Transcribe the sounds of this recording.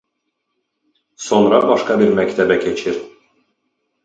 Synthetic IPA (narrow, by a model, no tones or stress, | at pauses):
so̞nɾɑbɑʃkʰɑbiɾmæct̪ʰɛbɛcʰe̞t͡ʃʰiɾ